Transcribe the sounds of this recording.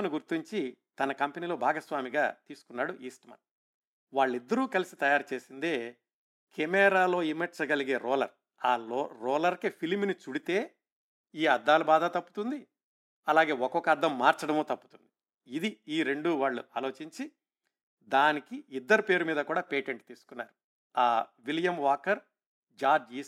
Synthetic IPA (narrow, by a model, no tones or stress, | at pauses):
niɡuɾt̪iɲt͡ʃit̪ɐnɐkɐmpeniːlo̞ːbʱaːɡɐsʋaːmiɡaːt̪iːsu̥kunːaːɽuʔiːsʈɐmɐ̰n | ʋaːɭːid̪ːɐɾuːkɐlisi̥t̪ɐjaːɾut͡ʃe̞ːsind̪eː | kʰemɛːɾaːlo̞ːimeɾt͡ʃɐɡɐliɡe̞ːɾɔːlɐɾ | aːlɾɔːlɐɾkepʰilmnit͡ʃuɽit̪e̞ː | iːɐd̪ːaːlubaːd̪ɐt̪ɐpːut̪und̪i | ɐlaːɡe̞ːɔkɔkɐɐɾd̪ʱːɐmːaːɾt͡ʃɐɽɐmoːt̪ɐpːu̥t̪und̪i | id̪iiːɾe̞ɳɖuʋaːɭːṵʔaːlo̞ːt͡ʃiɲt͡ʃi | d̪aːnikiid̪ːɐɾupe̞ːɾumiːd̪ɐkuːɽaːpeːʈeɳʈt̪iːsu̥kunːaːɾu | aːʋiljɐmʋaːkɐɾ | d͡ʒaːd͡ʒiːs